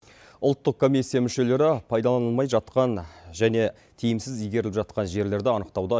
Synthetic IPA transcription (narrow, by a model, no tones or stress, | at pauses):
ʊlˠt̪ːəq̚kʰo̞mʲijsːijamʏʃe̞le̞ɾɪpʰɑjd̪ɑlˠɑnəlˠmɑjʒɑt̪qɑnʒæne̞ | t̪ʰijɪmsɪzijɡʲe̞ɾɪlɪpʒɑt̪qɑnʒe̞ɾle̞ɾd̪ɪɑnəqt̪ɑwd̪ɑ